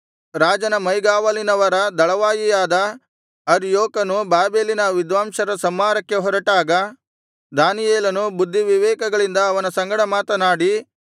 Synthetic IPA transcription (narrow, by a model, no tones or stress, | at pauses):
ɾaːd͡ʒɐnɐmɐjɡaːʋɐlinɐʋɐɾɐd̪ɐɭɐʋaːjijaːd̪ɐ | ɐɾjoːkɐnubaːbeːlinɐʋid̪ʋaːmʂɐɾɐsɐmːaːɾɐkːe̞ɦɔɾɐʈaːɡɐ | d̪aːnijeːlɐnubud̪ʱːiʋiʋɛːkɐɡɐɭind̪ɐːʋɐnɐsɐŋɡɐɽɐmaːt̪ɐnaːɽi